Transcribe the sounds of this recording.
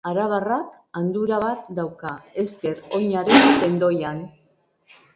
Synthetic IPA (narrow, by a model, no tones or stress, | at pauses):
aɾaβ̞arak | and̪uɾaβat̪d̪awkae̞st̪e̞ɾo̞ɲaɾent̪e̞nd̪o̞jan